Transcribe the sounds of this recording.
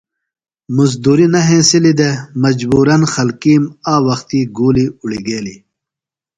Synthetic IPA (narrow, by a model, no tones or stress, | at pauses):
muz̬d̪uːɾinɐɦẽːsilid̪emɐd͡ʑbuːɾɐnxɐlkiːmaːwɐxt̪iɡuːliuɽiɡeːli